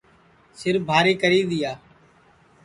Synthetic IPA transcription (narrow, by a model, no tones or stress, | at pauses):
sɪɾbʱaːɾiːkəɾiːd̪ɪjaː